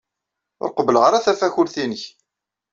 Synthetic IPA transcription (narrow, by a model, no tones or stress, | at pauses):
ʊ̰ɾqəbələʁəɾæθæfæçʊɾθinəç